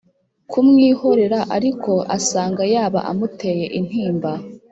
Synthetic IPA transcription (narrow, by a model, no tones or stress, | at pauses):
kʰumŋiːho̞ɾe̞ɾaʔaɾikʰo̞ʔasaːŋɡajaːβa̰ʔa̰mute̞je̞ʔin̥hiːmba